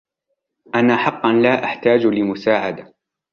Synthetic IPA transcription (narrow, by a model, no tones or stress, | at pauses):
ʔanaːħɑqːɑnlaːʔaħt̪aːd͡ʒlɪmʊsaːʕad̪a